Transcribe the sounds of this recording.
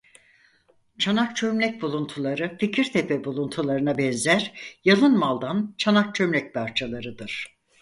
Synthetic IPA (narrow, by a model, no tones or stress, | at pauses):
t͡ʃʰanak̚t͡ʃʰømlʲɛc̚bulˠunt̪ʰulˠaɾɯficʰiɾt̪ʰepʰɛbulˠunt̪ʰulˠaɾɯnabɛnzæɾjalˠɯnmalˠd̪ant͡ʃʰanak̚t͡ʃʰømlʲɛc̚pʰaɾt͡ʃʰalˠaɾɯd̪ɯɾ̥